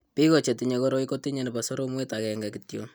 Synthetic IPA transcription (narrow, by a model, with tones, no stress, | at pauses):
pi˦kɔ˨t͡ʃɛ˨tiɲeko˦ɾo˦iko˦ti˦ɲɛ˦nɛ˨pa˨so˦ɾo˦mwe˦ta˨kɛ˨ŋɡakitjo